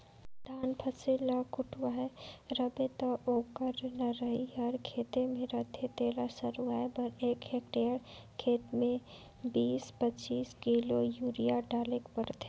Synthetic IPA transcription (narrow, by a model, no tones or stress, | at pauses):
d̪ʱaːnpʰɐsɪlakʊʈwaɦɛɾəbet̪ɐʔoːkəɾnɐɾəɦiɦɐɾkʰeːt̪emẽɾɐt̪ʰet̪eːlasɐɾuaːebəɾeːkɦekʈejəɽ | kʰeːt̪mẽ | biːspət͡ʃiːskilojuːɾijaɖaːlekpəɾt̪e